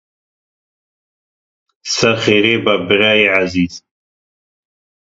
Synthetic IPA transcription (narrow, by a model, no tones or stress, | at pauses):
sɐɾχeɾeːbabɪɾaiʕaziːz̥